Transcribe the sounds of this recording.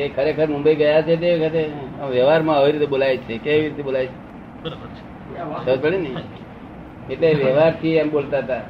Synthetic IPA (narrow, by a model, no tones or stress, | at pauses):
ekʰəɾekʰəɾmʊ̃mbəiɡəjat͡ʃʰet̪̬eʋkʰəɾeəmʋjəɦʋaɾmãəʋiɾit̪eɓolajt͡ʃʰekeəʋiɾit̪ebolajt͡ʃʰe | əɾbə | səd͡ʒpəɽinəi | eʈleʋjəɦʋaɾt̪ʰiəmɓolt̪aɦət̪a